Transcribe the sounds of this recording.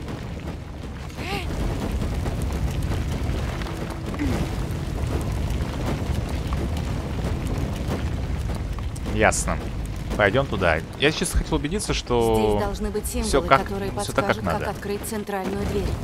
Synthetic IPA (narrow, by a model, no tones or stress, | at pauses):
jasnə | pɐjdʲo̞mt̪ʊd̪a | jat͡ɕest̪ə̥xɐtʲelˠʊbʲɪdʲit̪səʂt̪od̪ɐlˠʐnɨbɨt̚ʲtʲːemfsʲokakkt̪oɾɨjəsot̪akːakna̰d̪əɐt̪kɾɨt̚ʲt̪sɨnt̪ɾalʲnʊjʊd̪vʲeɾʲ